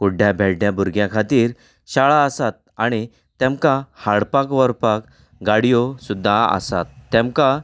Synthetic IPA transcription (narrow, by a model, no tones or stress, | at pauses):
kuɖʱjabʱɛɽjãbuɾɡjãkʰat̪iːɾ | ɕaɭaəsat̪̚ | aɽ̃i | t̪ɛ̃mkahaɽpakʋəɾpak | ɡaɽijɔsud̪ʱːaə̰sa̰t̪ːɛ̃mka